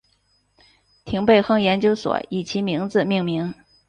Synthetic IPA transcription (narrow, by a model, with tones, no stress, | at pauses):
t̪ʰi˧˥ŋpe˥˧ɪxɤ˥˩ŋjɛ˧˥nt͡ɕjo˧˥ʊswɔ̰˨˩˦i˨˩t͡ɕʰi˧˥mi˧˥ŋd͡zɹ̩˧mi˥˩ŋmi˧˥ŋ